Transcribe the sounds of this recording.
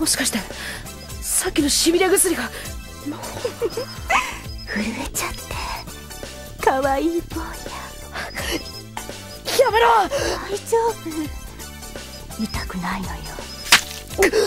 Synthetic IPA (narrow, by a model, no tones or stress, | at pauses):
mo̞ɕi̥kaɕi̥t̪e | sakʲːino̞ɕibʲiɾʲaɡɯsɨɾʲiɡa | mo | hɯ̟ɾɯet͡ɕat̪ʰːe | kaβaiːkoːja | ameɾoait͡ɕoː | mʲit̪akɯ̟nainojo